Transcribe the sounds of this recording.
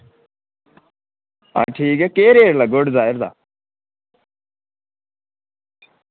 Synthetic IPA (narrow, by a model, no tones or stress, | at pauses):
a̰ːʈʰiːkɛkeːɾeːɾlaɡoːɽzaːɪɾd̪a̰ː